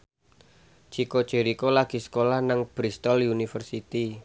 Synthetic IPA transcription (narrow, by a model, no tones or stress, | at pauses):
t͡ʃikot͡ʃeɾikolaɡ̥i̤sə̥kolahnaŋb̥ɾist̪ɔljunifərsit̪i